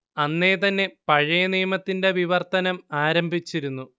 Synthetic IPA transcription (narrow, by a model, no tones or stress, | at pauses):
ɐnːe̞t̪ɐnːe̞pɐɻɐjɐnijɐmɐt̪ːinde̞ʋiʋɐrt̪ɐnɐmaːɾɐmbʱit͡ɕːiɾunːu